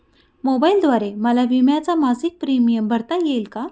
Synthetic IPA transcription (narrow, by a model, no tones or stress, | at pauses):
mobaild̪ʋaɾeməlaʋimjat͡samad͡zʱiːk̚pɾimijəmbʱəɾt̪ajelka